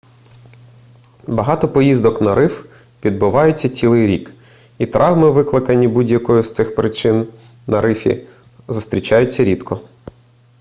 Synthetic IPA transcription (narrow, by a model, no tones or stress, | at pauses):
bɐɦɑt̪ɔpɔjizd̪ɔknɐɾɪf | ʋʲid̪̚bʊʋɑjʊt͡sʲːɐt͡sʲilˠɪjɾʲik | it̪ɾʔɑʋmɪʋɪklˠɪkɐnʲːibudʲjɐkɔjʊst̪sɪxpɾɪt͡ʃɪn | nɐɾɪfʲḭ | zʊst̪ʲɾʲit͡ʃɑjʊt͡sʲːɐɾʲid̪kʰɔ